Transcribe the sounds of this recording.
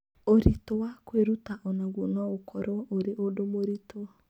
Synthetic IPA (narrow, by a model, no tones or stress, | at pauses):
oɾitoakweɾutaʔɔnaɣonɔokɔɾɔoɾeʔodomoɾitoa